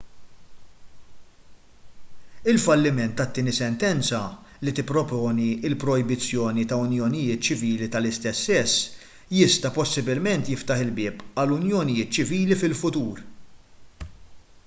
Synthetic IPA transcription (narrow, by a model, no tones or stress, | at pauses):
ɪlfɐlːɪmɛnt̪ːɐt̪ːɪːnisɛnt̪ɛnt͡sɐ | lit̪ɪpːɾɔpɔːniɪlpɾɔjbɪt͡sːjɔːnit̪ɐʊnjɔnɪjɪːt̪t͡ʃɪviːlit̪ɐlɪst̪ɛsːɛsː | jɪst̪ɐpɔsːɪbɪlmɛnt̪jɪft̪ɐħɪlbɪːpɐlʊnjɔnɪjɪːt̪̚t͡ʃɪviːlifɪlfʊt̪uːɾ